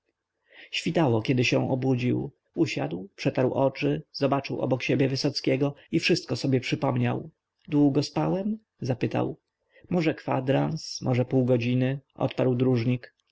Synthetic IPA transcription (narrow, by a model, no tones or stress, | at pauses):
ɕfʲit̪awɔkʲɛd̪ɘɕɛ̃w̃ɔbud͡ʑiw | uɕa̰d̪wpʂɛt̪aɾwʔɔt͡ʂɘz̥ɔbat͡ʂɘwɔ̰bɔkɕebʲjɛvɘsɔt̪skʲɛɡɔifʂɘst̪̚kɔsɔbʲjɛpʂɘpɔmɲa̰w | d̪wuɡɔspawɛm | zapɘt̪a̰w | mɔʐɛkfa̰d̪ɾansmʔɔʐɛpuwɡɔd͡ʑinɘɔ̰t̪paɾwd̪ɾuʐɲik